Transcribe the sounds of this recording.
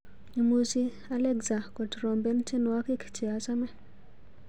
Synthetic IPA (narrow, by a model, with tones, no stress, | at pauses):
i˨mu˦si˦ | a˦lɛ˦ɡza˨kɔ˨tɾɔ˨mbɛ˦nt͡ʃe˦nwa˦ki˦kt͡ʃi˨a˨sa˦mɛ˨